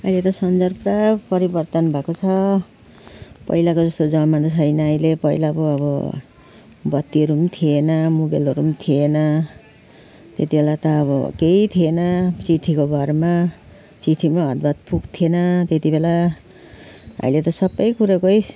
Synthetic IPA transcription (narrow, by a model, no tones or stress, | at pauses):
ʌjlet̪ʌsʌnd͡zʌrprabpʌɾibʌrt̪ʌnbʱakot͡sʰʌ | pʌ̰jlakod͡zʌst̪od͡zʌmad̪ʌt͡sʰʌjnʌʌjlepʌilabʌʌbʌ̰ | bʌt̪ːiʌɾumt̪ʰienʌmubelʌɾumt̪ʰienʌ | t̪et̪ibʱelat̪ʌːbʌ̰kejt̪ʰienʌt͡siʈʰikobʱʌɾma | t͡siʈʰimaɦʌd̪̚bat̪̚pukt̪ʰienʌt̪et̪ibela | ʌ̰jlet̪ʌsʌbʌjkuɾakoj